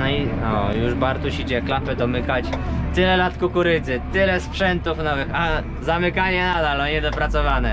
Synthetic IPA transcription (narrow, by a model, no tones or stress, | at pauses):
nɔiɔjuʐbaɾt̪uɕit͡ɕɛklapɛd̪ɔmɘkat͡ɕt̪ɘlɛlat̪kukuɾɘt̪zɘt̪ɘlɛspʂɛnt̪ufnɔvɘxa | zamɘkaɲɛnad̪alɔɲɛd̪ɔpɾat̪sɔvanɛ